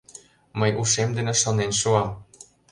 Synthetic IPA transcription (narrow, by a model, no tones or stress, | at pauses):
məjʔuʃemd̪enĕʃonenʃuɑm